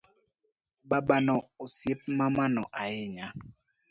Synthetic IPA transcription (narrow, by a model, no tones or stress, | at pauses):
babanɔosjep̚mamanɔʔaɪɲa